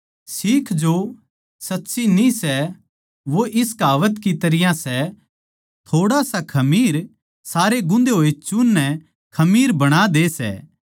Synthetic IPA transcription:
siːkʰd͡ʒo | sɐtːʃinĩsɛ | ʋoʔɪskaːʋət̪kit̪ɐɾɪjãsɛ | t̪ʰoːɽasakʰɐmiːɾ | saːɾeɡʊ̃nd̪eɦoːet͡ʃʊnːɛ | kʰɐmiːɾbɐɽ̃ad̪eːsɛ̰ː

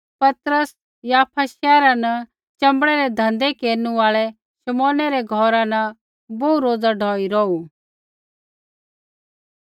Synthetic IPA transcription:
pɐt̪ɾəs | jaːpʰaʃɛːɾanɐ | t͡ʃɐ̃mbɽɛɾɛd̪ʱɐ̃nd̪ekeːɾnũaːɭɛ | ʃɐmɔ̃ːnɛɾɛɡʱɔːɾãnɐ | bouɾoːd͡zaɖʱɔːiɾɔːu

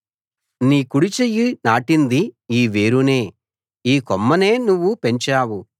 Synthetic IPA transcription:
niːkuɽit͡ʃejːinaːʈind̪iiːʋeːɾune̞ː | iːkomːɐne̞ːnuʋːupe̞ɲt͡ʃaːwu

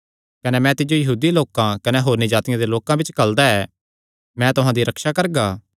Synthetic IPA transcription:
kɐnemɛ̃t̪ɪd͡ʒojɐɦuːd̪iloːkãkɐneɦoːɾnid͡ʒaːt̪ɪjãd̪eloːkãbɪt͡ʃkɐld̪aɛː | mɛ̃ːt̪ʊɦãd̪iɾɐkʃakɐɾɡaː

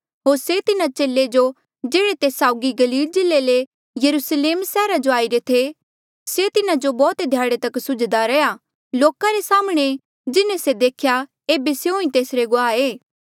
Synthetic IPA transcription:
ɦoːɾset̪ɪnat͡ʃeːlːed͡ʒo | d͡ʒeːɽet̪eːsaːʊɡiɡɐliːld͡ʒɪlːele | jɐɾusleːmsɛːɾad͡ʒoaːiɾet̪ʰe | set̪ɪnad͡ʒobɔːt̪d̪ʱjaːɽet̪ɐksʊd͡ʒd̪aɾɛja | loːkaɾesaːməɽ̃e | d͡ʒɪnẽsed̪eːkʰja | eːbeseɦõːĩt̪eːsɾeɡʊaːeː

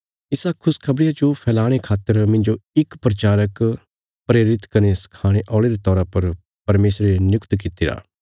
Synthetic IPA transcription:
ɪsakʰʊskʰɐbɽɪjat͡ʃopʰɛːlaːɽ̃ekʰaːt̪ːəɾmɪ̃nd͡ʒoɪkpɾɐt͡ʃaːɾək | pɾeːɾɪt̪kɐneskʰaːɽ̃eʔɔːɭeɾet̪ɔːɾapɐɾ | pɐɾmeːsɾenjʊkt̪k̬ɪt̪ːiɾa̰ː

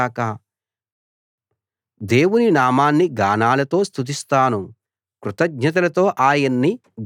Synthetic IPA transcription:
aːka | d̪e̞ːwuninaːmaːnːiɡaːnaːlɐt̪o̞ːst̪ʰut̪̬ist̪aːnu | kɾut̪ɐɡ̚ɲɐt̪̬ɐlɐt̪o̞ːʔaːjɐnːi

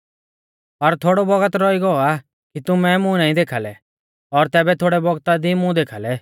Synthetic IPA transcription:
ɔɾt̪ʰoːɽɔbɔɡət̪ɾɔiɡɔɔa | kit̪ʊmɛmʊ̃naːĩd̪eːkʰaːlɛ | ɔɾt̪ɛːbɛt̪ʰoːɽɛbɔɡt̪ad̪imʊ̃d̪eːkʰaːlɛ

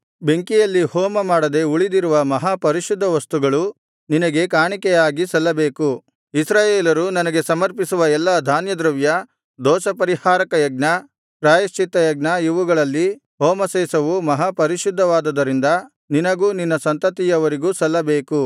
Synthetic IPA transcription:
be̞ŋkijɐlːihɔːmɐmaːɽɐd̪e̞uɭid̪iɾuʋɐmɐɦaːpɐɾiʃud̪ʱːɐʋɐst̪uɡɐɭu | ninɐɡe̞kaːɳikɛjaːɡisɐlːɐbe̞ːku | isɾaːjeːlɐɾunɐnɐɡe̞sɐmɐɾpisuʋɐɛlːɐd̪ʱaːnjɐd̪ɾɐʋjɐ | d̪ɔːʃɐpɐɾihaːɾɐkɐjɐɡ̚nɐ | pɾaːjɐst͡ʃit̪ːɐjɐɡnɐiʋuɡɐɭɐlːi | ɦoːmɐseːsɐʋumɐɦapɐɾiʃud̪ʱːɐʋaːd̪ɐd̪ɐɾind̪ɐ | ninɐɡuːninːɐsɐnt̪ɐt̪ijɐʋɐɾiɡuːsɐlːɐbe̞ːku

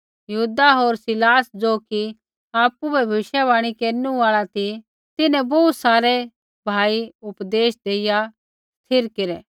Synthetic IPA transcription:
jɐɦuːd̪aɦoːɾsɪlaːsd͡zoːki | aːpubʱɛbʱɐʋɪʃjɛβaːɽ̃ikeːɾnũaːɭat̪i | t̪ɪnɛ̃bɔːt̪saːɾɛ | bʱaːiʊpd̪eːʃd̪eːɪja | t̪ʰɪɾkeɾɛː

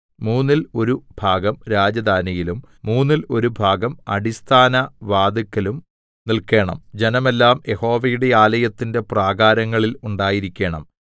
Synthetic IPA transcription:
muːnːilo̞ɾubʱaːɡɐmɾaːd͡ʑɐd̪ʱaːnijilumːuːnːilo̞ɾubʱaːɡɐmɐ̰ɽist̪ʰaːnɐʋaːd̪ɐkːɐlum | nilke̞ːɳɐ̰md͡ʑe̞nɐme̞lːaːmje̞ho̞ːʋɐjuɽe̞aːlɐjɐt̪ːinde̞praːɡaːɾɐŋːɐɭiluɳɖaːjiɾikʲːe̞ːɳɐ̰m

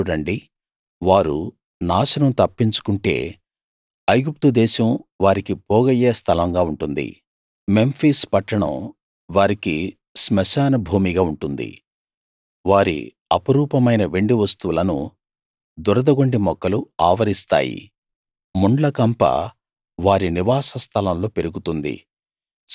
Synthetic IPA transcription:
uɽɐɳɖi | ʋaːɾu | naːʃɐnɐmt̪ɐpːiɲt͡ʃu̥kuɳʈe̞̰ː | ɐjɡup̚t̪ud̪ɛːʃɐmʋaːɾikipoːɡɐjeːst̪ʰɐlɐŋɡaːuɳʈund̪ḭ | me̞mpʰiːspɐʈːɐɳɐ̰m | ʋaːɾiki | smɐʃaːnɐbʱuːmiɡaːuɳʈund̪ḭ | ʋaːɾḭ | ɐpɐɾuːpɐmɐjnɐʋe̞ɳɖiʋɐst̪uʋulɐnṵ | d̪uɾɐd̪ɐɡoɳɖimɔkːɐluaːʋɐɾist̪a̰ːjḭ | muɳɖlɐkɐmpɐ̰ | ʋaːɾiniʋaːsɐst̪ʰɐlɐmlo̞ːpe̞ɾuɡut̪und̪ḭ

